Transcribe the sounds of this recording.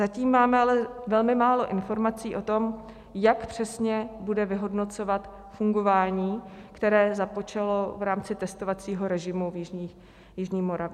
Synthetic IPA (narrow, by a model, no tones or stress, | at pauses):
zaciːmːaːmɛalɛvɛlmɪmaːlo̞ʔɪnfo̞ɾmat͡siːʔo̞t̪o̞m | jakpr̝̥ɛsɲɛbudɛvɪɦo̞dno̞t͡so̞vat̪ | fuŋɡo̞vaːɲiːkt̪ɛɾɛːzapo̞t͡ʃalo̞vɾaːmt͡sɪt̪ɛst̪o̞vat͡siːɦo̞ɾɛʒɪmuvjɪʒɲiːx | jɪʒɲiːmo̞ɾavɪ